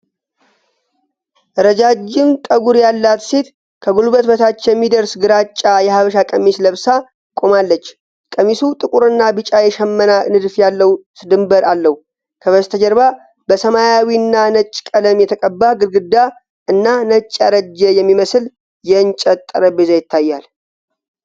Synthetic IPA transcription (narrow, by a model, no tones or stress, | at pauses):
ʔɾəd͡ʒad͡ʒːɪmt̪ʼəɡuɾjalːat̪se̞t̪ | kʰəɡulbət̪bət̪ʰat͡ʃːjɛmːid̪əɾsɡɨɾat͡ʃʼːajɛhaβəʃakʼəmːisləβsa | kʼomalːət͡ʃː | kʼəmːisut̪ʼɨkʼuɾɨnːabɨt͡ʃʼajɛʃɛmːənanɨd̪fjalːəwsɨd̪ɨmbəɾalːəw | kʰəβəst̪ʰəd͡ʒəɾba | bəsəmajawiɨnːanət͡ʃʼːkʼələmjɛt̪ʰəkʼəbːaɡɨlɡɨd̪ːa | ʔɨnːanət͡ʃʼːaɾəd͡ʒːəjɛmːiməsɨl | jɛɨnt͡ʃʼət̪ʼːəɾəbezajɪt̪ʰːajːal